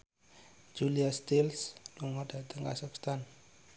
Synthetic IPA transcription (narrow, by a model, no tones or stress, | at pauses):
d͡ʒuliast̪ilsduŋɔdat̪əŋka̰sɔkst̪an